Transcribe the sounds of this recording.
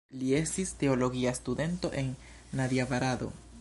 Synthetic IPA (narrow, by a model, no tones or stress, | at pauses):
lie̞stiste̞o̞lo̞ɡiastude̞nto̞ʔe̞nː | adiavaɾado̞̰